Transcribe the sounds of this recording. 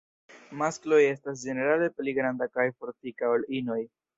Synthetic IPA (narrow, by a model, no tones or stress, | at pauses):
masklo̞je̞stas̬d͡ʒe̞ne̞ɾale̞pliɡɾandakajfo̞ɾtikaolino̞j